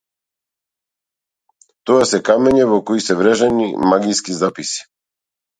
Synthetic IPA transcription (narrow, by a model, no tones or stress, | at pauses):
t̪ɔasɛkamɛɲɛvɔkɔisɛvɾɛʒɛnḭmaɡijskizapisi̥